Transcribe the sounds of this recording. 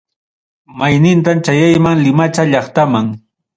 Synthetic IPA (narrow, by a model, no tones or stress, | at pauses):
majnɪnt̪amt͡ʃajajmaŋlɪmat͡ʃaʎɑχt̪amaŋ